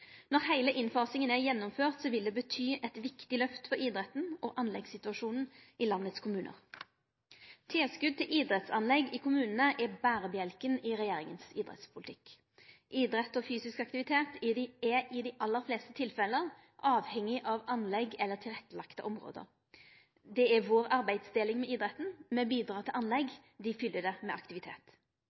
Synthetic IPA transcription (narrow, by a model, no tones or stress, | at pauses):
nɔʁhæɪləʔɪnfɑːsɪŋənæʁjɛnːʊmføːʁt̪sɔʋɪld̪ɛːbət̪ʰyːʔɛt̪ʋɪkt̪ɪlœft̪fɔɾiːd̪ɾɛt̪ːn̩ɔʔɑnlɛɡsɪt̪ʉɑʃuːnn̩ʔɪlɑnːət̪skʰʊmʉːnʔə̰ʁ | t̪ʰɪlskʉd̪̚t̪ɪlʔiːd̪ɾɛt̪sɑnlɛɡɪkʰʊmʉːnənəʔɛbæːʁəbjɛlkənɪʁɛjeːʁɪŋənsiːd̪ʁɛ̰t̪spʰʊlɪt̪ʰɪk | ʔiːd̪ɾɛt̪ːɔfyːsɪskɑkt̪ɪʋɪt̪ʰeːt̪ɪd̪ɪɛɪd̪ɪʔɑlːəɾfleːst̪ət̪ʰɪlfɛləʁ | ʔɑːʋhɛŋːɪʔɑʋɑnlɛɡɛlːət̪ʰɪlʁɛt̪ːəlɑkt̪ə̰ʔɔmʁo̰ːd̪ə̰ɾ | d̪ɛæʋoːʁɑɾbæɪd̪sd̪eːlɪŋmɛiːd̪ɾɛt̪ːn̩mɛbiːd̪ʁɑːt̪ʰɪlʔɑnlɛɡ | d̪ɪfʏlːəd̪ɛmɛʔɑkt̪ɪʋɪt̪ʰḛːt̪